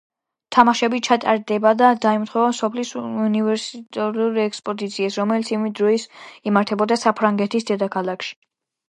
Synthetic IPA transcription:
t̪ʰamaʃɛbit͡ʃʰat̪ʼa̰ɾd̪ɛbad̪ad̪aimt̪χwɛvamsɔpʰlisunivɛɾsit̪ʼɛɾuɾiɛkspʼɔd̪it̪sʰiɛsɾɔmɛlit̪sʰimid̪ɾɔisimaɾt̪ʰɛbɔd̪asapʰɾaŋɡɛt̪ʰisd̪ɛd̪akʰalˠakʃi̥

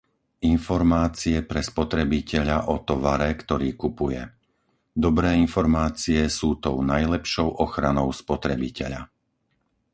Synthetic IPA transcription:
infɔɾmaːt͡siɛpɾɛspɔt̪ɾɛbicɛʎaʔɔt̪ɔʋaɾɛkt̪ɔɾiːkupujɛ̰ | d̪ɔbɾɛːinfɔɾmaːt͡siɛsuːt̪ɔʊnajlɛpʃɔʊʔɔxɾanɔʊspɔt̪ɾɛbicɛʎa̰

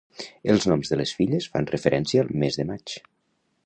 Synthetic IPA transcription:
əlˠznɔmzðələsfiʎəsfa̰nrəfəɾʔɛnsiəːlˠmezðəmat͡ʃ

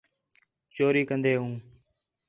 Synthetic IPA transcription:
t͡ʃoːɾiːkənd̪eːɦũː

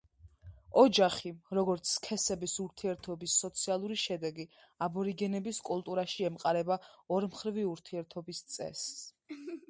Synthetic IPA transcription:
ɔd͡ʒaχiɾɔɡɔɾt̪sʰkʰɛsɛbisuɾt̪ʰiɛɾt̪ʰɔbisːɔt̪sʰialˠuɾiʃɛd̪ɛɡi | abɔɾiɡɛnɛbiskʼulˠt̪ʼuɾaʃiɛmqʼaɾɛbaɔɾmχɾiviuɾt̪ʰiɛɾt̪ʰɔbist̪sʼɛ̰s

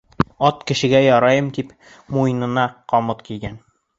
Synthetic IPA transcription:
ɒt̪kɘ̆ɕɘ̆ɡæjɒɾɑjɤmd̪ip | mujnɤ̆nɑqɒmɤt̪kijɡʲæn

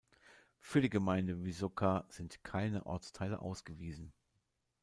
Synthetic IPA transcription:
fyːɐɾiːɡəmaɪndəvizokʰaz̥ɪntkʰaɪnəʔɔ̰ɐt͡stʰaɪlə̰ʔa̰ʊsɡ̥əviːzn̩

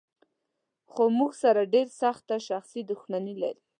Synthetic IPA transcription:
xomuɡsaɾaɖeɾsaxt̪aʃaxsid̪ʊxmanila̰ɾi

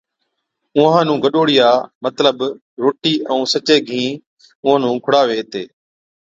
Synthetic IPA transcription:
ʊãːnũːɡəɗoːɽɪjaːmət̪ləb | ɾoːʈiːʔə̃ũːsət͡ʃeːɡʱĩː | ʊɦãːnũːkʰʊɽaːʋeːt̪eː

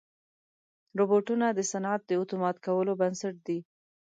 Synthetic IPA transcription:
ɾoboʈunad̪əsanat̪̚d̪əʊt̪umɑt̪kawəlobansaʈ̚d̪i

